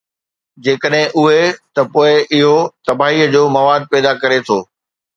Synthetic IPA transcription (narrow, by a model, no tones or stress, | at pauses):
d͡ʑeːkəɗɦɪ̃ʔʊɦet̪ɐpoːɪʔɪɦot̪ɐbʱaːɦiːəd͡ʑoːmɐʋaːd̪̚pɛːd̪akɐɾet̪ʰoː